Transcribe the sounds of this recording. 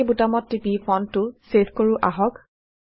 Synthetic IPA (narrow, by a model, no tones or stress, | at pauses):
butamɔtːipifʰɔntʊseskoɹʊʔaɦɔk